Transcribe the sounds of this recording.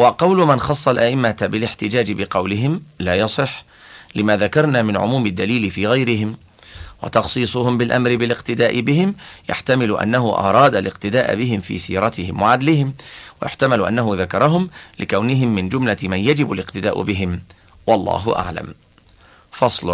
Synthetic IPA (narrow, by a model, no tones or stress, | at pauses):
wɑqɑwlʊmɪnxɑsˤːɑlʔaʔɪmːabɪlɪħt̪ɪd͡ʒaːd͡ʒɪbɪqɑwlɪɦɪmlaːjɑsˤɨħː | lɪmaːðakɑɾˤnaːmɪnʕʊ̰muːmɪd̪ːaliːlɪfiːɣajɾɪɦɪm | wɑ̰t̪ɑxsˤiːsˤʊhʊmbɪlʔa̰mɾɪbɪlɪqt̪ɪd̪aːʔɪbɪhɪmja̰ħt̪amɪlʊʔa̰nːaɦʊʔɑ̰ɾˤɑːd̪alɪqt̪ɪd̪aːʔa̰bɪɦɪmfḭːsḭːɾˤɑt̪ɪhɪmwaʕad̪lɪhɪmwa̰jʊħt̪amalʊʔa̰nːaɦʊðakɑɾˤɑɦʊmlɪkawnɪɦɪmːɪnd͡ʒʊmlamanjad͡ʒɪbalɪqt̪ɪd̪aːʔʊ̰bɪɦɪm | wɑlˤːɑ̰ːɦʊ̰ʔa̰ʕla̰m | fɑsˤlʊ